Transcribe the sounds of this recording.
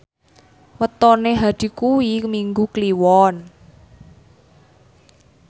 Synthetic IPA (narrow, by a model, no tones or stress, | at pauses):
wət̪ɔneɦad̪̥i̤kuwimiŋɡukliwɔn